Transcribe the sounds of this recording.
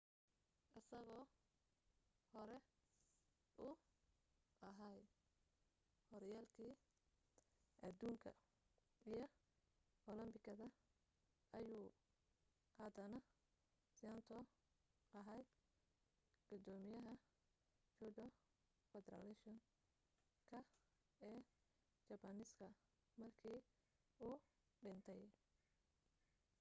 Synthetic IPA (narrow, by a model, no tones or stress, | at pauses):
ʔɪsɐɣɔː | hɔɾɛ | ʔʊ | ʔɐɦɐj | hɔɾjaːlkʰiː | ʔɐd̪uːŋkʰɐ̰ | ʔijɞ | ʔɔlɐmbɪkʰɐðɐ | ʔɐjuː | hɐd̪ɐnɐ | sant̪ʰɔ | ɐɦɛj | ɡ̥ʊd̪ɔːmɪjɐɦɐ | t͡ʃʊɖɔ | fɛd̪ɛɾɐ̰lɛʃɔŋ | kʰɐ | ɛː | t͡ʃɐbɐnɪskʰɐ | mɐrkʰiː | uː | ɖɪnt̪ʰɛj